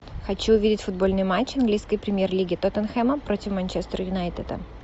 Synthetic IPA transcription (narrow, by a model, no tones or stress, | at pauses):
xɐt͡ɕuʊvʲidʲɪtʲfʊd̪bo̞lʲnɨjʊmat͡ɕːɐnɡlʲijskəjpɾʲɪmʲjerlʲiɡʲɪt̪ot̪ənxɛməpɾo̞tʲɪfmɐnʲt͡ɕest̪ɾəjʊnajt̪ʲɪd̪ə̰